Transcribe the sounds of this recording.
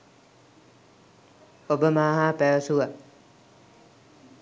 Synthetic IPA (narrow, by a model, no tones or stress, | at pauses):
obəmaːɦaːpæʋəsuʋa